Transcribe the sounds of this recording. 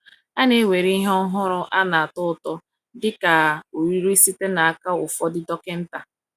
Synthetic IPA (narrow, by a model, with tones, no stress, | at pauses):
a˦ne˦we˨ɾi˦ɦɔ˦ɦʊ˦ɾʊ˦ʔa˦na˨a˨tʊ˦ʊ˦˨tɔ˦ | dɪ˦ka˨o˨ɾi˦ɾu˦i˦si˦te˦na˨a˦ka˦ʊ˨fɔ˦dɪ˦dɔ˦kɪ˦n̩˦ta˨